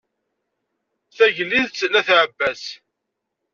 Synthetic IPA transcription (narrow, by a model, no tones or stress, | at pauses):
θæʝəlːiðt͡sːlːæθʕəbːæs